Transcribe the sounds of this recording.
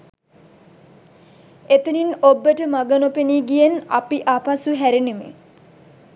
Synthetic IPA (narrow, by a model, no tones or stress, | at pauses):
et̪uninobːəʈəmaɡənopeniːɡijenapiʔapasuɦæɾinemḛ